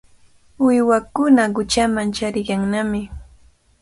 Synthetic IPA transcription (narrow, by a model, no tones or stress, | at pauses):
wɪjwakʊnaɢʊt͡ʃamant͡ʃaɾɪjaŋnamɪ